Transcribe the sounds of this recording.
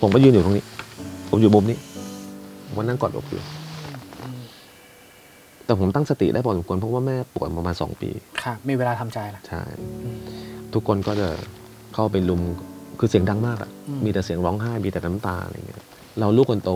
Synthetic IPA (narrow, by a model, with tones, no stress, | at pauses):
pʰo˩˦mkɔ˧˩jɯː˧nju˨˩t̪ʰːniː˦˥˩pʰo˩˦mju˨˩mu˧˩mniː˦˥ | o˨˦mwa˧nːaː˥˩˨kɔː˨˩t̪̚ʔo̰˧˩p̚jṵ˧˩˧ | t̪ɛː˨˩pʰo˩˦mt̪a˥˩ŋsa˧t̪ḭ˨˩ʔdaː˥˩ɔː˨˦˩smkʰənpʰɔ˦˥˩waː˥˩mɛː˥˩pu˨˩t̪̚pɾa˧maː˧nsɔ̰ː˩˦ŋpḭː˧kʰa˦˥˩miː˧weː˧laː˧t̪ʰa˧mt͡ɕa˧jla˦˩t͡ɕʰa̰˥˩j | t̪ʰu˦˥kʰːo˧nkɔː˥˩t͡ɕa˨˩ | kʰa˥˩wp̬a˧jlu˧mkʰɯː˧si˩˦əŋda˧ŋmaː˥˩k̚ʔa̰˨˩miː˧t̪ɛ˨˩si˨˩˦əŋɾɔː˦˥ŋɦaː˥˩jmiː˧t̪ɛː˨˩nʰa˦˥mt̪a̰ː˧ɾa̰˧j̰ŋːi˦˥˩ | ɾa˧wluː˥˩kʰːo˧nt̪o˧˩